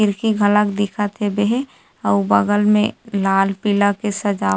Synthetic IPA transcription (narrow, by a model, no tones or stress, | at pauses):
ɪɾkiɡʱələkd̪ɪkʰat̪ʰebeɦe | əbəɡəlmẽlaːlpilakesəd͡ʒaː